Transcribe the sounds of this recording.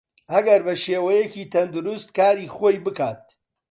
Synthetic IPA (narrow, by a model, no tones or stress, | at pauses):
ʔɐɡɐɾbɐʃeːwɐjeciːt̪ʰɐnd̪ʊɾʊst̪kaːɾiːχoːjbɨkaːt̪̚